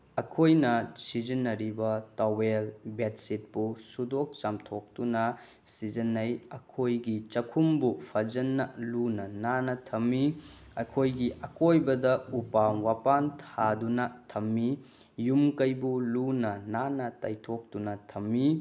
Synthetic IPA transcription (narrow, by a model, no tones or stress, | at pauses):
ɐkʰojnɐsid͡ʒinːɐɾibɐtawelbetsit̚pusudok̚t͡ʃamtʰok̚tunɐ | sid͡ʒɐnːɐjɐkʰojɡit͡ʃɐkʰumbupʰɐd͡ʒɐnːɐlunɐnanɐtʰɐmːi | ɐkʰojɡiʔɐkojbɐdɐupawapantʰadunɐtʰɐmːi | jumkɐjbulunɐnanɐtɐjtʰok̚tunɐtʰɐmːi